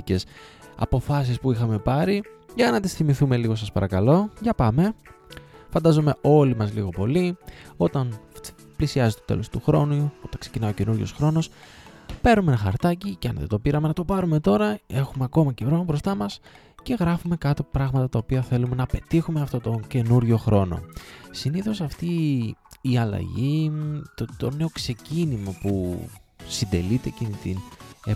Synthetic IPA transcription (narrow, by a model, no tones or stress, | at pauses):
cesɐ̰po̞fɐs̬ispuixɐme̞pɐɾiʝɐnɐt̪isθimiθume̞liɣo̞sɐspɐɾɐkɐlo̞ʝɐpɐme̞ | fɐnd̪ɐzome̞ʔo̞limɐzlḭɣo̞po̞lio̞t̪ɐn | plisiɐzet̪ot̪e̞̰lo̞st̪uxɾo̞nuo̞t̪ɐksecinɐiocenuɾʝo̞sxɾo̞no̞spe̞ɾumenɐxɐ̰ɾt̪ɐciceɐ̰nðḛd̪o̞piɾɐme̞nɐt̪o̞pɐɾume̞t̪o̞ɾɐe̞xume̞ɐko̞mɐceɾo̞nobɾo̞st̪ɐmɐs | ce̞ɣɾɐfume̞kɐt̪o̞pɾɐɣmɐt̪ɐt̪ɐo̞piɐθe̞lume̞nɐpe̞t̪ixume̞ɐft̪o̞t̪o̞ce̞nuɾʝo̞xɾo̞no̞̰siniθo̞sɐft̪iː | ɐlɐ̰ʝit̪ot̪o̞ne̞o̞kse̞cinimɐpu | sind̪e̞̰lit̪e̞cinit̪in